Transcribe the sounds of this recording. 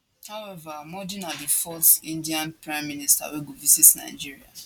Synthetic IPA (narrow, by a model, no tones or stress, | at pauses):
hawɛvamɔdĩnadifɔsĩndiãnpɹãɪ̃mːĩnista̰weɡovisitna̰ɪd͡ʒiɹia̰